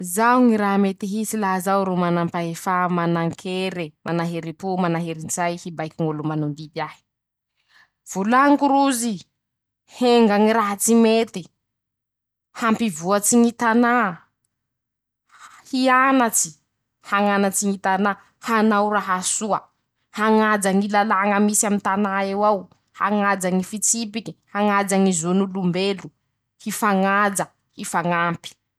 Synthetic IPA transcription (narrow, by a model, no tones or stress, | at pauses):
zawŋiɾaɦmet̪iɦisilaɦzawɾumanampaefamanaŋkʰeɾimanaɦeɾipumanaɦeɾind͡zajhibajkʲiŋulumanund̪ib̪iahi̥ | v̥ulaŋkuɾuzi | heŋɡaŋiɾaɦat͡simet̪i | hampivuat͡siŋit̪ana | hianat͡si̥ | haŋanat͡siŋit̪ana | hanawraɦasuə | haŋad͡zaŋilalaŋəmisamint̪anaewaw | haŋad͡zaŋifit͡sip̬iki̥haŋad͡zaŋizonulumbelu | hifaŋad͡za | hifaŋampi̥